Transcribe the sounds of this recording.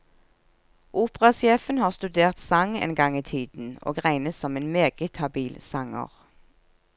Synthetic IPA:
ʔuːpʁɑsjeːfənhɑːʁst̪ʉd̪eːʁt̪sɑŋḛːnɡɑŋiːt̪ʰiːd̪n̩o̰ːɡʁæɪnəsɔmeːnmeːɡ̥ət̪hɑbiːlsɑŋə̰ʁ

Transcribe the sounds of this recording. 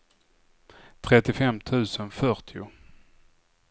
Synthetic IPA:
t̪ʰɾɛt̪ːɪfɛmt̪ʰʉ̟ːsənfœʈʰɪʊ̰

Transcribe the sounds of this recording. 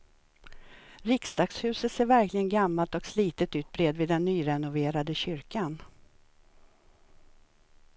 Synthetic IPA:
ɾɪksd̪ɑːkshʉ̟ːsət̪seːɾvæɾklɪɡənɡamːalt̪ɔksliːt̪ət̪ʉ̟ːt̪̚bɾeːd̪vɪd̪ɛnːyːɾɛnʊveːɾad̪əɕʏɾkan

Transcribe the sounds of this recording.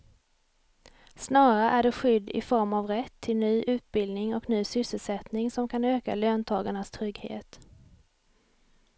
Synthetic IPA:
snɑːɾaʔæɖɛɧʏd̪ːɪ̰fɔɾmavɾɛt̪ʰːɪlnyːʔʉ̟ːt̪̚bɪld̪nɪŋɔknyːsʏsəlsɛt̪nɪŋsɔmkʰanøːka̰løːnt̪ʰɑːɡaɳast̪ʰɾʏɡhḛːt̪

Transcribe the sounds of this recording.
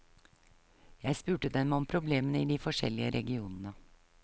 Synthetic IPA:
jæɪspʉːʈəd̪ɛnmɔmpʰɾʊbleːmənəiːd̪iːfɔʂɛ̰lɪəɾʔɛ̰ɡɪuːnənə

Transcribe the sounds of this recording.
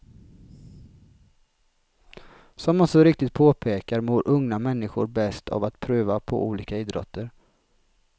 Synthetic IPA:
sɔmːansɔɾɪk̚t̪ɪt̪̚pʰoːpʰeːkaɾmoːɾʔɵŋnamɛnːɪɧʊ̰ɾbɛst̪ʰa̰vat̪pʰɾʉːvapʰɔ̰ʔuːliːkaiːd̪ɾɔ̰t̪ʰːəɾ

